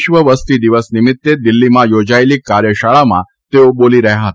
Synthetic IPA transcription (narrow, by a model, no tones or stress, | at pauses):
ʃʋəʋəst̪id̪iʋəsnɪmɪt̪ːed̪ɪlːimãjod͡ʒaelikaɾjəʃaɭamã̰ | t̪eoboliɾəɦjãɦət̪